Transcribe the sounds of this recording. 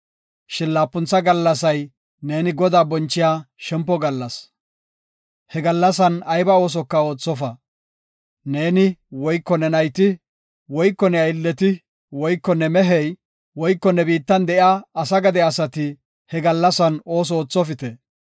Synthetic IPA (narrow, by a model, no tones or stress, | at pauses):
ʃɪnlaːpːʊnt͡sːɐɡɐlːɐsɐj | ne̞ːnɪɡɔd̪aːbɔnt͡ʃːɪjaːʃɛmpːɔɡɐlːɐs | hɛɡɐlːɐs̬ɐnɐjbɐo̞ːs̬ɔkːɐo̞ːt͡sːɔfɐ | ne̞ːnɪwɔjkːɔnɛnɐjt̪ɪ | wɔjkːɔnɛɐjɪlːɛt̪ɪ | wɔjkːɔnːɛmɛɦɛj | wɔjkːɔnɛbiːt̪ːɐnd̪ɛʔjaːsɐɡɐd̪ɛɐsɐt̪ɪ | hɛɡɐlːɐsɐno̞ːs̬ɔoːt͡sːɔfɪt̪ɛ